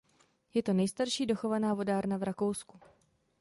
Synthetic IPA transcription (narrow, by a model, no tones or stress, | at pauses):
jɛt̪o̞nɛjst̪aɾʃiːdo̞xo̞vanaːvo̞daːɾnavɾako̞wsku